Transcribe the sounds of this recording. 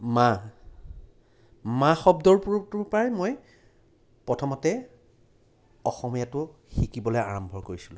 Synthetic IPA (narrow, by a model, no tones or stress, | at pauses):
ma | mãxɔbdɔɹpuɹtupajmoj | pɹɔtʰɔmɔtɛ | ɔxɔmijatʊ | xikibɔlɔjaɹɔmbʱɔɹkoɹisilũ